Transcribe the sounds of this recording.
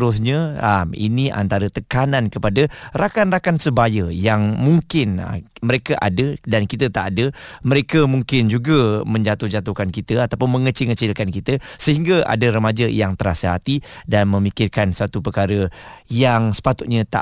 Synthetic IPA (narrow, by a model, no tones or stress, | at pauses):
ɾʊs̬ɲə̃amḭniʔa̰nt̪aɾət̪əkanankəpadərakanrakansəbajəjaŋmuŋkɪn̰məɾekaʔadədankit̪ət̪aʔadəməɾekəmuŋkɪnd͡ʒuɡəmə̃ɲd͡ʒat̪ʊhd͡ʒat̪ʊhkankit̪əat̪apʊnmə̃ŋət͡ʃɪŋət͡ʃɪlkankit̪əsəhiŋɡaa̰dəɾəmad͡ʒəjaŋt̪əɾasəɦat̪idanmə̃mikɪrkansat̪upərkaɾəjaŋsə̥pat̪ʊt̪̚ɲə̃t̪a̰